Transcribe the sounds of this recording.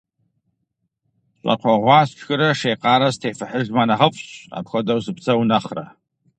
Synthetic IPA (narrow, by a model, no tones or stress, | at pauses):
ɕʷʼa̰qʷʰaʁʷast͡ʃʰɡɨɾaʂejqʼaɾastʰejfaħəʒmanaʁəpʼɕa̰pʰxʷadawsɨpʰt͡sʰawnaχra̰